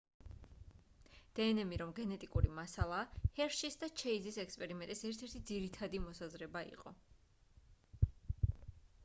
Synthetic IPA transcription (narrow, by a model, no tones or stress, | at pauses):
d̪̥ɛːnɛmiɾɔmɡɛnɛt̪ʼikʼuɾimasalˠaːhɛɾʃisd̪at͡ʃʰɛizisɛkspʼɛɾimɛnt̪ʼisɛɾt̪ʰɛɾt̪ʰid̪ziɾit̪ʰad̪imɔsazɾɛbaḭqʼɔ